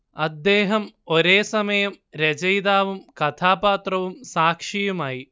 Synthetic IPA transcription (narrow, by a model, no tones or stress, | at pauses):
ɐd̪ːeːɦɐmoɾeːsɐmɐjɐm | ɾɐd͡ʒɐjd̪aːʋumkɐt̪ʰaːpaːt̪ɾɐʋumsaːkʂijumaːji